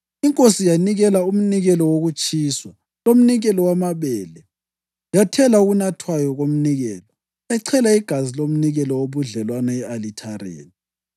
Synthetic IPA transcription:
iŋkʼosijaniɣɛlaum̩niɣɛlɔwoɣut͡ʃʼiːswa | lom̩niɣɛlɔwamaβɛːlɛ | jatʰɛlauɣunatʰwajɔɣom̩niɣɛːlɔ | aǀʰɛlaiɡ̥ʱazilom̩niɣɛlɔwoβuɮɛlwanaɛalitʰarḛːni

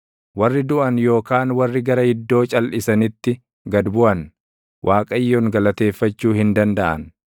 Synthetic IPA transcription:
wɐrːɪd̪ʊʔɐnjo̞ːkaːnwɐrːɪɡɐɾɐhɪd̪ːo̞ːt͡ʃʼɐlʔɪsɐnɪt̪ːɪ | ɡɐd̪bʊʔɐn | wʔaːkʼɐjːoːŋɡɐlɐt̪e̞ːfːɐt͡ʃːuːhɪnd̪ɐnd̪ɐʔɐ̰n

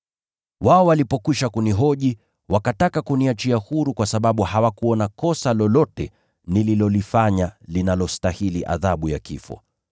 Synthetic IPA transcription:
waɔwalipɔkwiʃakuniɦɔʄi | wakatakakuniat͡ʃiahuɾukwasaɓaɓuhawakuɔnakɔsalɔlɔtɛ | nililɔlifaɲalinalɔstahiliʔa̰ðaɓuja̰kifɔ̰

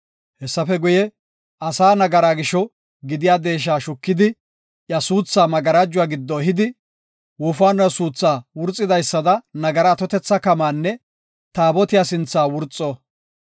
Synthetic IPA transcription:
hɛsːɐfɛɡʊjɛ | ɐsaːnɐɡɐɾaːɡɪʃɔ | ɡɪd̪ɪjaːd̪e̞ːʃ̬aːʃʊkːɪd̪ɪ | ʔjɐsuːt͡sːaːmɐɡɐɾad͡ʒːʊwaːɡɪd̪ːɔɦɪd̪ɪ | wʊːfaːnɐsuːt͡sːaːwʊɾt͡sʼːɪd̪ɐjsːɐd̪ɐnɐɡɐɾaːt̪ɔt̪ɛt͡sːɐkɐmaːnːɛ | t̪aːbɔt̪ɪjaːsɪnt͡sːaːwʊɾt͡sʼːoː

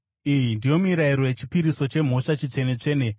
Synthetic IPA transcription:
ijindijo̞miɾaiɾowe̞t͡ʃipiɾiso̞t͡ʃe̞m̤o̞ʂat͡ʃit͡ʂe̞ne̞t͡ʂe̞ːne

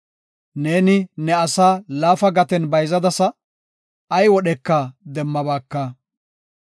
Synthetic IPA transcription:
ne̞ːnɪnɛɐsaːlaːfɐɡɐt̪ɛnbɐjzɐd̪ɐsɐ | ɐjwɔɗɛkːad̪ɛmːɐbaːkːɐ

